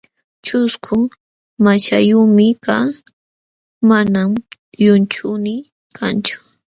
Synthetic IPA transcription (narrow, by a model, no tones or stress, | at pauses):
t͡ʃʊskʰʊ | mat͡ʃajʊmɪkaː | manamjʊnt͡ʃʊnɪ | kʰant͡ʃʊ̥